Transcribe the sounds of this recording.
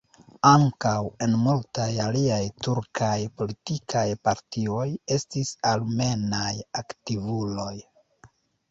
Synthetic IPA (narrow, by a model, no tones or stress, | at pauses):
aŋkawe̞nmultajaliajtuɾkʰajpo̞litikʰajpaɾtio̞je̞stisalme̞najaktivulo̞j